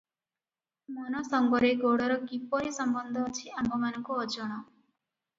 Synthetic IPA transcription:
mɔnɔsɔŋɡɔɾeɡoɽɔɾɔkipɔɾisɔmbɔnd̪ʱɔt͡ʃʰiambʱɔmanɔŋkuɔd͡ʒɔɽ̃ɔ

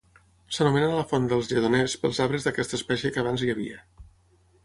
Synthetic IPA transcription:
sənumenənləfɔnd̪əlˠzʎəðunɛspəlˠzaβɾəzðəkɛst̪əːspɛʃjəkəβ̞anziəβḭə

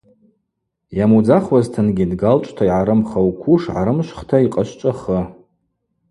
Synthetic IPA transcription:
jamud͡zaχwaztʰɨnɡʲidɡalt͡ʃʷʼtʰaiʕaɾɨmχawkʷʰuʂʕa̰ɾɨmʃʷχtʰaiqʼaʃʷt͡ʃʷʼaχə

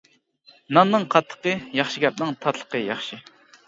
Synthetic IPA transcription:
nɑnnːɨŋqʰɑt̪ʰːə̥qəjɑχʃiɡʲɛp̚nɨŋt̪ʰɑt̪ʰlˠə̥qəjɑχʃi

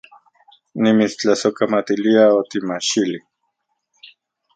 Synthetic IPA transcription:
nimit͡st͡ɬasokamat̪iliaot̪imat͡ʃili

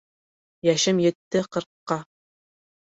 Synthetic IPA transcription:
jæʃɘmjɘ̆t̪ːɘqɤ̆ɾqːɑ

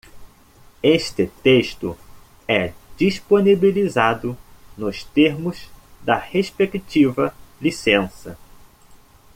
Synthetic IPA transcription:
eʃt̪ɪt̪eʃt̪ʊ | ɛd͡ʒiʃponibilizad̪ʊnʊst̪eɾmʊzd̪ɐheʃpekt͡ʃivɐlisẽsɐ

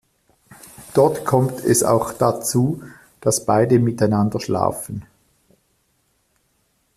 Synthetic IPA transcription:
d̥ɔɐtkʰɔmtʰɛ̰sa̰ʊxd̥at͡suː | d̥asb̥aɪdəmɪtaɪnandɐʃla̰ːfən̩

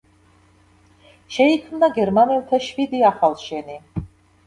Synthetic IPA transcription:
ʃɛikʰmnaɡɛɾmanɛlt̪ʰaʃvid̪iaχalʃɛni

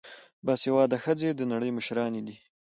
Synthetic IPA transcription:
basjawɑd̪axəd͡zed̪ənaɽəjməʃɾɑned̪i

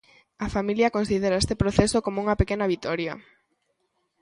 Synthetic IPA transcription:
ɐfamiljɐkonsið̞eɾɐest̪epɾoθesokomouŋɐpekenɐβit̪ɔɾjɐ̰

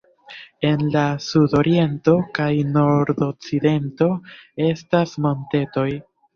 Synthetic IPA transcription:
e̞nlasudo̞ɾie̞nto̞kajno̞ɾdok̚t͡side̞nto̞e̞stasmo̞nte̞to̞j

